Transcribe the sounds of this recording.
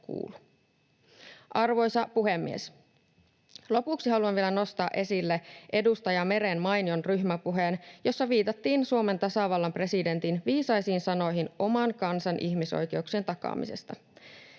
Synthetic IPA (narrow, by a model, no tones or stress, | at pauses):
kṵːlu | ʔɑrʋo̞jsɑpuɦe̞mːies | lo̞puksiɦɑluɑʋʋielæno̞st̪ɑːʔe̞silːeʔe̞dust̪ɑjɑme̞ɾenmɑjnionryhmæpuɦeːnjo̞sːɑʋiːt̪ɑt̪ːiːnsuome̞nt̪ɑsɑˑʋɑlːɑmpre̞side̞nt̪inʋiːsɑjsiːnsɑno̞jɦino̞mɑŋkɑnsɑnʔiçmiso̰jk̟e̞uksient̪ɑkɑ̰ːmḭse̞̰st̪ɑ̰